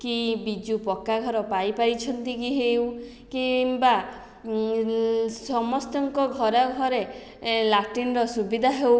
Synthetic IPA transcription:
kibid͡ʒupɔkaɡʱɔɾɔpajpaɾit͡ʃʰɔnt̪ikiɦew | kimba | sɔmɔst̪ɔŋkɔɡʱɔɾɔɡʱɔɾe | laʈinɔɾɔsubid̪ʱaɦew

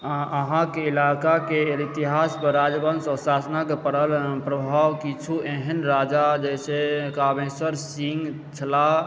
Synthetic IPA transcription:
əɦãkeilakakeit̪iɦaspəɾɾad͡ʒbənsɔsasənakepəɾəlpɾəbʱawkit͡ʃʰueɦənɾad͡ʒad͡ʒɛsekamesəɾsiŋɡ | t͡ʃʰəla

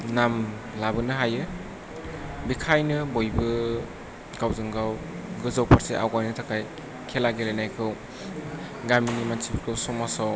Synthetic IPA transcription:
nam | labɯnɯɦajɯ | bikʰajnɯbojbɯ | ɡ̥awzɯŋɡaw | ɡɯzawpʰaɾseʔa̰wɡajnɯtʰakʰaj | kʰelaɡelajnajkʰɯw | ɡaminimansibikʰɯwsɔmasaw

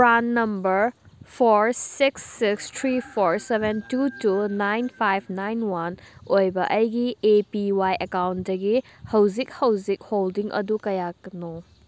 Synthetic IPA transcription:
pɾanːɐmbɐɾ | pʰoɾsiksːikstʰɾipʰoɾsebentutunajnpʰajb̚ʰnajnwanojbɐʔɐjɡiepiwajʔekawntdɐɡi | hɐwzik̚hɐwzik̚holdiŋɐ̰dukɐjakno

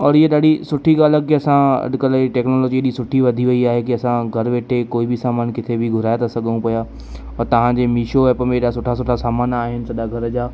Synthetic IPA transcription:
ɔːɾɪeɗaːɽisʊʈʰiɠaːləkiɐsãɐ̰ɗkəlʈɛːknoːlɔːd͡ʑieɗisʊʈʰiʋɐd̪ʱiʋɐiaːɦekiɐsãɡʱɐɾʋeːʈʰekoːibɪsaːmaːnkɪt̪ʰebɪɡʱʊɾaːjat̪ʰasɐɡʱə̃ũpɐja | ɔːɾt̪ɐʋ̤ãd͡ʑeːmiːʃoɛːpəmẽeɗasʊʈʰasʊʈʰasaːmaːnaːɦɪnɪ̆sɐɗaɡʱɐɾd͡ʑaː

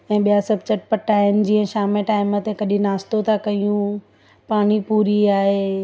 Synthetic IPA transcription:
ɛ̃ːɓijasɐb̚t͡ɕɐʈpɐʈaːɦɪɪnɪ̆d͡ʑiːə̃ʃaːmeʈaːɪmət̪ekɐɗĩnaːst̪ot̪ʰakɐijũ | paːɽ̃ipuːɾiaːɦe

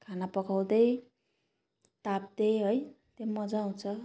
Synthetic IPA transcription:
kʰanapʌkaw̃d̪ʌj | t̪ap̚d̪ʌjɦoj | t̪emʌd͡zaũt͡sʰʌ

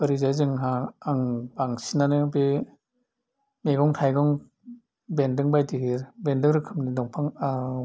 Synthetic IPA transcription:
bɐɾizajzɯŋɦaaŋbaŋsinanɯbe | meɡɔŋtʰajɡɔŋ | bendɯŋbajtiɦiɾbendɯŋɾɯkʰɯmnidɔŋpʰaŋa

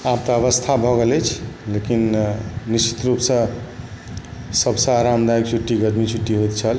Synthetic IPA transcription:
ap̚t̪ʌːβʌst̪ʰabʱʌɡelet͡ʃʰlekinnist͡ʃʰi̥t̪ɾupsʌ̃ | sʌbsʌ̃ɾamd̪aikt͡ʃʰuʈːiɡʌd̪mit͡ʃʰuʈːiɦojt̪t͡ʃʰʌl

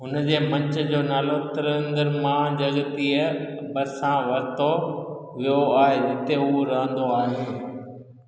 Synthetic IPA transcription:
ɦʊnd͡ʑeːmɐ̃ɲt͡ɕə̆d͡ʑoːnaːlot̪ɪɾə̃nd̪əɾmãd͡ʑɐɡt̪iːəbɐsãʋɐɾt̪o | ʋijoaːɦed͡ʑɪt̪eɦuɾɐɦə̃nd̪oaːɦeː

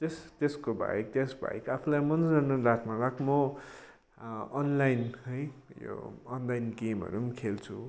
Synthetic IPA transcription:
t̪est̪eskobʱa̰jk̚t̪jesbʱa̰ikapʰulajmʌnʌnʌlat̪malakmʌ | nlajnʌjjo̰ːnlajnɡemɦʌ̰ɾumkʰelt͡sʰu

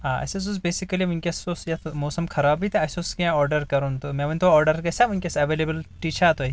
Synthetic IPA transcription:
ɦaːɐ̰ses̬os̬beːsikɐliʋunʲkʲɐsosjɐt̪moːsɐmkʰɐɾaːbit̪ʰeɐsoskɐãɔːɾɖɐɾkɐɾunt̪omẽʋɐnʲt̪ʰoɔːɾɖɐɾkɐsʲaʋunʲkʲɐsɐʋeːlebəlʈiːt͡ʃʰat̪oi

